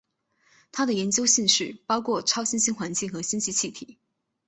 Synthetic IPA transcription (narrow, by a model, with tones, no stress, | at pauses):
t̪ʰa˥d̪ə˨jɛ˧˥nt͡ɕjo˥ʊɕi˥˧ŋʂɻ̩˥˩pɑ˥ʊkʰwɔ˥˩ʈ͡ʂʰɑ˥ʊɕi˥nɕi˥ŋxwa˧˥nt͡ɕi˥˩ŋxɤ˧˥ɕi˥nt͡ɕʰi˥˧t͡ɕʰi˥˩t̪ʰḭ˨˩˦